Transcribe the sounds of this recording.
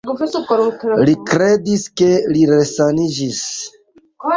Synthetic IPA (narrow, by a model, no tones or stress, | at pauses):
likɾe̞diske̞liɾesanid͡ʒis